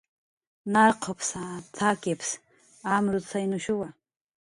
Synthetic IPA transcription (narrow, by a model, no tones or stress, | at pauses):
narqʰəpʰsatʰakʲʼepʰs | amrusʰainuʃʊwa